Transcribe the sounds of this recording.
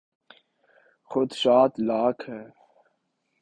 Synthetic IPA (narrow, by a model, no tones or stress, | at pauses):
xʊd̪ʃaːt̪laːkʰɦɛː